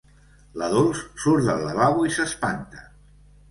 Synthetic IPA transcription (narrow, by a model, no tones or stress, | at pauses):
ləðolˠssuɾðə̰ləβaβwaisəspant̪ə̥